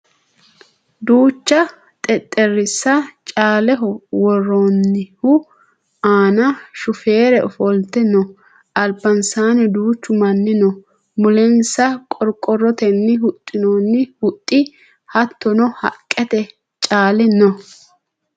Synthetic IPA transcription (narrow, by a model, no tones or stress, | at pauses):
d̪uːt͡ʃːɐ | t̪ʼɛt̪ʼːɛrɪsːɐt͡ʃʼaːlɛɦɔwɔrːonːɪhʊ | aːnɐʃʊfe̞ːɾɛʔɔfɔlt̪ɛnɔ | ɐlbɐnsaːnɛd̪uːt͡ʃːʊmɐnːɪnɔ | mʊlɛnsɐkʼɔɾkʼɔrːɔt̪ɛnːɪɦʊt̪ʼːɪnonːɪhʊt̪ʼːɪ | hɐt̪ʰːɔnɔhɐ̰kʼːɛt̪ɛ | t͡ʃʼaːlɪnɔ